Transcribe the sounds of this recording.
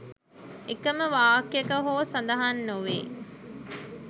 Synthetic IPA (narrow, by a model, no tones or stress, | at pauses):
ekəməʋaːkjekəɦoːsɐnd̪ɐɦanːuʋḛː